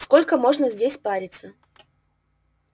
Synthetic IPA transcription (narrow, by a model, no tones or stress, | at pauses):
skolʲkəmoʐnəzʲdʲesʲpaɾʲɪt̪sə